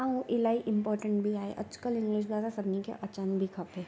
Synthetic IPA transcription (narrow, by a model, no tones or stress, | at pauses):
ãõʔɪlaːiʔɪ̃mpɔːɾʈə̃ɳʈbʱiaːḛʔɐt͡ʃkəlɪ̃ŋɡlɪʃ̬d̪aːd̪asɐbnikḛʔɐt͡ʃənbʱikʰɐpɦeː